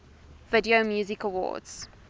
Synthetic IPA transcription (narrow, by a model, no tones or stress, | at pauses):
vɪdiomjuːzɪkəwɔ̰ːdz̥